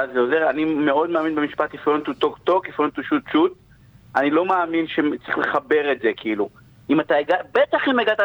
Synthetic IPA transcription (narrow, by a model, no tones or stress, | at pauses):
azeo̞ze̞ʁanimeo̞d̪meaːminbe̞miʃpat̪ifont̪ut̪okt̪o̞kifont̪uʃut̪ʃut̪̚ | anilo̞maːminʃet͡sʁiχle̞χabe̞ʁe̞tzekiilu | imat̪aeɡabet̪aχimeɡat̪a